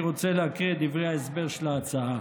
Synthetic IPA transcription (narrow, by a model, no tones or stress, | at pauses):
ʁot͡seleakʁid̪ivʁejhaesbe̞ʁʃelaːt͡saa